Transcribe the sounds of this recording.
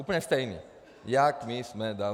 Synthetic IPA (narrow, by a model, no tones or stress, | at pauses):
upnɛst̪ajnḭ | jakmismɛ̃d̪a